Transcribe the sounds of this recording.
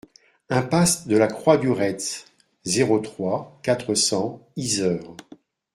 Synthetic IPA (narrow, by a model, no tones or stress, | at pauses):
ɛ̃pasd̪əlakχwabyʁɛt̪ | zeʁot̪χwakat̪χəsɑ̃izœːʁ